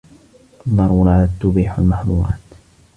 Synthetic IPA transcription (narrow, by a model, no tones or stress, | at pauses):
ðˤːɑɾˤuːnʕalat̪ːʊbiːħa̰lmaħðṵɾɑ̰ːt̪